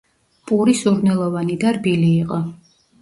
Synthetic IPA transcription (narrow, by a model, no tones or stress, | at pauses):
pʼuɾisuɾnɛlˠɔvanid̪aɾbiliːqʼɔ